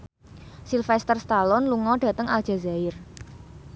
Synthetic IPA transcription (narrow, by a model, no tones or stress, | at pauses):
silfɛst̪ərst̪alɔnluŋɔɖ̥ä̤t̪əŋald̥ʒ̥a̤zaɪr